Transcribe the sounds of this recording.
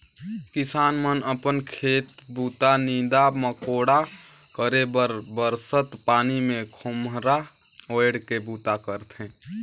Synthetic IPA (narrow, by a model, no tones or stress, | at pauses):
kɪsaːnmənəpənkʰeːt̪buːt̪anĩd̪aməkoːɽa | kəɾebəɾbəɾsət̪paːnimẽkʰʊmɦɾa | oeɽkebuːt̪akəɾt̪ɦɛ̃